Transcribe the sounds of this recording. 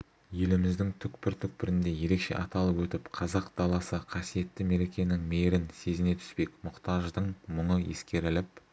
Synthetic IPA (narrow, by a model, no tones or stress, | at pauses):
je̞lɪmɪzd̪ɪŋt̪ʰʏkpɪɾt̪ʰʏk̚pɪɾɪnd̪e̞je̞ɾe̞kʃe̞̰ʔɑt̪ɑlˠəpwɵt̪ɪpqʰɑzɑq̚d̪ɑlˠɑsəqʰɑsije̞t̪ːɪme̞ɾe̞kʲe̞nɪŋmeɾɪnse̞zɪne̞t̪ʰʏ̥spe̞kmʊqt̪ɑʒd̪əɴmʊɴəje̞̰skʲe̞ɾɪlɪp̚